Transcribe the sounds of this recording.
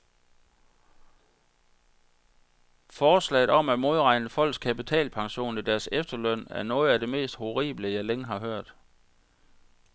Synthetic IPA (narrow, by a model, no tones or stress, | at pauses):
fɒːslɛ̰ɪð̩ˠɒ̽mæ̥mo̝ð̞ˠʁɑ̈ɪnəfɒ̽l̰ɡ̥skʰæpit͡sʰɛ̰ːlpʰɑ̈ŋɕo̝̰ːnid̥æɐsefd̥ɐlœn̰æɐnɔ̽ːð̞̩ˠæd̥e̝me̝̰ːsd̥ho̝ʁḭːb̥ləjɑ̈ɪleŋəɦɑ̈ɦøɐ̰d̥